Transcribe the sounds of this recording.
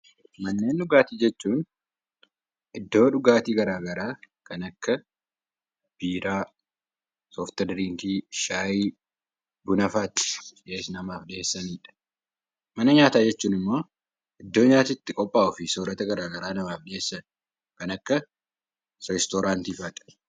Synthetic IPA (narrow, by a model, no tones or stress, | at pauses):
mɐnːe̞ːnᶑʊɡaːt̪iːd͡ʒɛt͡ʃːuːn | ʔɪd̪ːo̞ːᶑʊɡaːt̪iːɡɐɾaːɡɐɾaː | kɐnɐkːɐ | b̥iːɾaː | soːft̪ɛɾɾiːŋkiːʃaːjiː | bʊnɐfaːt̪ᶑeːsnɐmaːfɗɪeːsːɐniːᶑɐ̥ | mɐnɐɲaːt̪aːd͡ʒɛt͡ʃːuːnɪmːo̞ː | ʔɪd̪ːo̞ːɲaːt̪ɪt̪ːɪkʼɔpʼːaːʔʊfɪsoːɾɐt̪ɐɡɐɾaːɡɐɾaːnɐmaːfᶑɪe̞ːsːɐn | kɐnɐkːɐ | ɛst̪oːɾaːnt̪iːfaːt̪ɐ̥